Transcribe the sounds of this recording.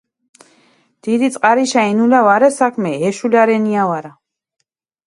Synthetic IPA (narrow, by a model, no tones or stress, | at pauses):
d̪̥id̪it̪sʼqʼaɾiʃainulavaɾɛsakʰmɛɦɛʃulaɾɛniavaɾa